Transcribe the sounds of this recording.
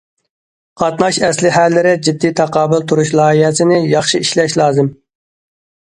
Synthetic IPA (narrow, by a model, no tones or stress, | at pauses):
qʰɑt̪nɑʃɛslɪɦælːɪɾɪd͡ʒid̪ːijt̪ʰɑqɑːbʊlˠt̪ʰuɾuʃlˠɑːihɛsɪnɪjɑχʃiiʃlɛʃlˠɑːzɨm